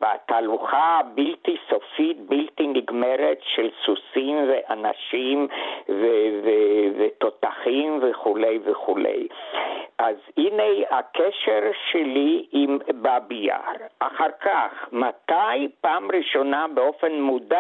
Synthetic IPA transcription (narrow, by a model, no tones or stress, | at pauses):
veat̪aːluχabilt̪isofit̪̚bilt̪iniɡmeʁet̪ʃelsusimveʔana̰ʃimvevevet̪o̞t̪aχimveχule̞jveχulḛj | ʔazhinejakʰeʃeʁʃeliimbabija̰ʁʔaχaʁkaχmat̪ajpaːmʁiʃo̞nabeo̞fenmuda